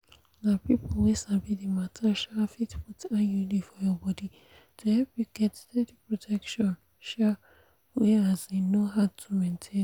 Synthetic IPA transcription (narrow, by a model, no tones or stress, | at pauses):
napipolwesabidimatʰaʃafitfutʰãnjulifɔjɔbɔdi | tʰuhɛpjuɡɛtdɛdipɹɔtʰɛkʃɔ̃n | ʃa | wɛazenoɦaʊtʰumɛ̃ntʰẽ